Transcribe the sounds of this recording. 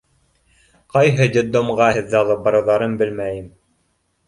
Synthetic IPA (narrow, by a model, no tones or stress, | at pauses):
qɑjɦɤd̪ʲɘ̆d̪ːomʁɑhɘ̆ðːɘɑlˠɤp̚bɑɾɑ̆ðɑɾɤnbɘlmæjɘm